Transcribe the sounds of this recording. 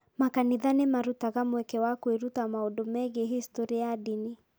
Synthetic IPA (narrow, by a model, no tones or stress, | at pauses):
makaniðanɛmaɾutaɣamwɛkɛwakueɾutamaɔdɔmɛɣeɦistɔɾiaadini